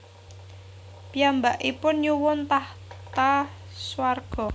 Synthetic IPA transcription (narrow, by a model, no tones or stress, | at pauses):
piambaʔipʊnɲuwʊnt̪aht̪aswarɡ̥ɔ̤